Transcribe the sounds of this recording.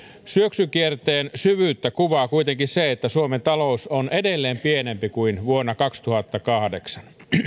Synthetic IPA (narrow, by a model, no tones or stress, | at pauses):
syøksykiert̪eːnsyʋyːt̪ːækuʋɑːkuit̪eŋkiseet̪ːæsuoment̪ɑlousonedelːeːmpienempikuinʋuonːɑkɑkst̪uhɑt̪ːɑkɑhdeksɑn